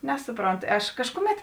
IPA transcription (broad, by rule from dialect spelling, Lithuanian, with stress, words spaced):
ˈnʲæːsʊˌproːnt ˈɐʃ ˈkɑːʃkʊˌmʲɛt